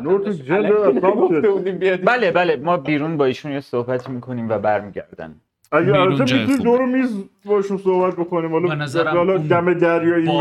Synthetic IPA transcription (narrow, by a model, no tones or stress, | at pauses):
noɾt̪ʰid͡ʒenæɒmod̪ebud̪imbiebæːlebælemɒːbiːɾunbɒːiːʃunjesohbæt̪ʰiːmiːkʰo̞niːmvæbæɾmiːɟæ̰ɾd̪æ̰n | æjæælɒt̪ʰemit̪ʰunimd̪oɾemizbɒeʃunsohbæt̪̚bokoniːmhɒlɒzæhɒlɒd̪æmed̪æɾjɒːi